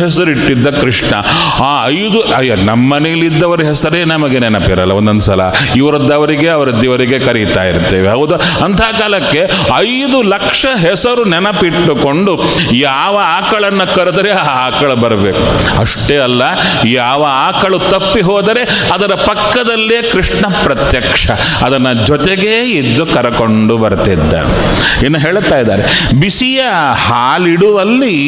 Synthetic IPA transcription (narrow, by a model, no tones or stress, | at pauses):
ɦɛs̬ɐɾuiʈːid̪ːɐkɾiʂɳɐ̰ | aːɐjd̪uɐjɐnɐmːɐnejɐlid̪ːɐʋɐɾɐɦɛsɐɾeːnɐmɐɡenɛnɐpiɾɐ̰lːɐond̪ɐnsɐlɐ̰iʋɐɾɐd̪ːɐʋɐɾiɡe̞ɐʋɐɾɐd̪ːiʋɐɾiɡe̞kɐɾit̪a̰ːjḭɾt̪ːeːʋeɦɐɡud̪ɐ | ɐnt̪ʰaːkaːlɐkːe̞ | ɐjd̪ulɐkʂɐɦɛsɐɾunɛnɐpiʈːuko̞ɳɖu | jaːʋɐaːkɐɭɐnːɐkɐɾud̪ɐɾeaaaːkɐɭɐbɐɾɐbeːkuɐʂʈeːɐlːɐjaːʋɐaːkɐɭut̪ɐpːiɦɔːd̪ɐɾe̞ɐd̪ɐɾɐpɐkːɐd̪ɐlːijekɾiʂɳɐpɾɐt̪jɐkʂɐ | ɐd̪ɐnːɐd͡ʒɔt̪eɡeːid̪ːukɐɾɐkoɳɖubɐɾt̪id̪ːɐ̰ | eːnːuɦeːɭt̪aːjd̪a̰ːɾe | bisijɐ | haːliɽuʋɐlːi